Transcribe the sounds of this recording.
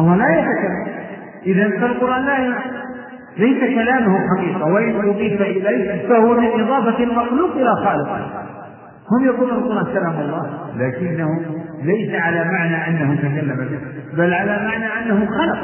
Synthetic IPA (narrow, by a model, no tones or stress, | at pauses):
ɑlˤːɑːlajat̪akalːal | ʔɪðanfalqʊɾˤʔaːnlaːja | lajsakalaːmʊhʊmħɑqiːqɑwaʔɪnʔʊðˤiːfaʔɪlajfahʊwamɪnʔɨðˤɑːfalmɑqluːbʔɪlaxɑːlɪqɪ̰h | hʊmjakuːnualqʊɾˤʔaːnkalaːmɑlˤːɑːhlaːkɪnːahʊlajsaʕalaːmaʕnaʔanːahʊt̪akalːamabɪbalːʕalamaʕnaʔanːahʊxɑlɑq